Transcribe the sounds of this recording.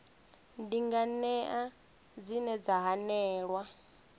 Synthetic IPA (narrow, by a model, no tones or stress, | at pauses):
ndiŋɡanɛʔa | d͡zinɛd͡zaɦanɛːɺwa